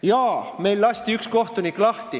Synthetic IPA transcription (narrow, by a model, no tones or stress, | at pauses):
jɑːme̞jlːɑst̪iyksko̞ht̪unikːˑlɑht̪i